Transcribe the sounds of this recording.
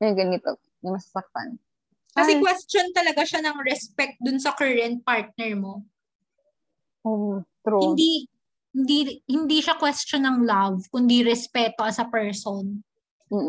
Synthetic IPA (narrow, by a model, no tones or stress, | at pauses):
jɐɡɐnɪt̪o | nɐmɐsasɐk̚t̪a̰n | kɐsɛkwɛst͡ʃont̪ɐlɐɡaʃanɐŋɾɛspɛk̚t̪̚d̪ʊnsɐkɛɹɛnt̪̚paɹt̪̚nɛɹmo̞ | ʔomt̪ɾohɪnd̪i | hɪnd̪ihɪnd̪iʃakwɛst͡ʃonɐŋlavkʊnd̪iɾɛspɛːt̪o̞ʔɐsɐpɛɹson | m̩ː